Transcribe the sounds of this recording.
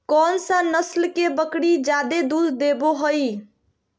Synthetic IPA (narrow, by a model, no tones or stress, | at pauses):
kɔnsə̃nəslkebəkɽid͡ʒad̪ed̪ud̪ʱd̪eboɦoj